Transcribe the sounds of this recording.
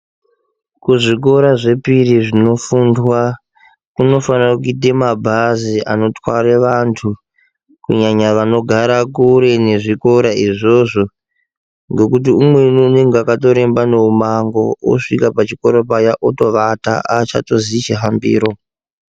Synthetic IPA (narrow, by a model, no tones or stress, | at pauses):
kuʐik̬o̞ɾaʐe̞piriʐino̞fundwa | kuno̞fanakuk̬uitemabʱaziʔa̰no̞twaɾeʋantʰu | kṵɲaɲaʋano̞ɡʱaɾakuɾe̞ne̞ʐiko̞ɾaiʐo̞ʐo̞ | ŋɡe̞kut̬iumwe̞nuːne̞ŋɡeakato̞ɾe̞mbano̞umaŋɡo̞̰o̰ʂikapat͡ʃiko̞ɾo̞p̬ajaʔoto̞ʋata̰at͡ʃa̰to̞zit͡ʃeɦambḭːɾo̞